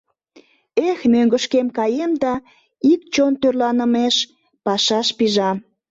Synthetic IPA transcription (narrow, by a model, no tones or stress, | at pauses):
exnøŋɡə̆ʃkemkɑjemd̪ɑ | ik̚t͡ɕont̪ørlɑnəmeʃ | pɑʃɑʃpiʒɑm